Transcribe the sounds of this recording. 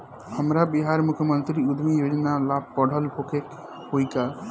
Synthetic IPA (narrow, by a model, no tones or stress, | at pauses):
həmɾabiɦaɾmukʰjəmənt̪ɾiud̪ʱmijod͡ʒnalab̚pəɽ̤ʱəlhokek | hojka